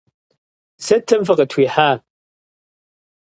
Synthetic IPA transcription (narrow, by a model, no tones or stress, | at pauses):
sɐtʰːɐmfɨqɐtʰwiːħaː